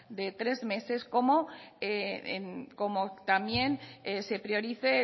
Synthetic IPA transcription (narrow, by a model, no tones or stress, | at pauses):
d̪e̞t̪ɾe̞zme̞se̞sko̞mo̞eḛnko̞mot̪amje̞nese̞pɾjo̞ɾiθe